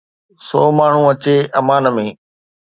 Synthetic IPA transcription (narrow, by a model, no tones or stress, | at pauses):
sɔːmaːɳ̤ũɐt͡ɕeʔɐmaːnmẽː